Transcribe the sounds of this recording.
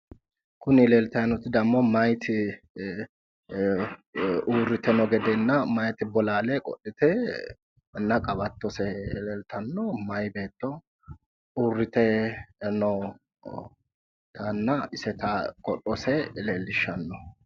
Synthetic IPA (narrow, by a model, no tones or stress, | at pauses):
kʊnɪleːlt̪ɐjɐnɔt̪ːɪd̪ɐmːɔmɐjt̪ʰɪ | uːrːɪt̪ɛnɔɡɛd̪ɛnːɐmɐjt̪ɪbɔlaːlɛkʼɔ̰ɗɪt̪ɛ | nːɐkʼɐbɐt̪ːɔsɛlɛlt̪ɐnːɔmɐjbe̞ːt̪ːɔ | uːrːɪt̪ɛnɔ | t̪anːɐɪsɛt̪ɐkʼɔɗɔsɛleːlːɪʃːɐnːɔ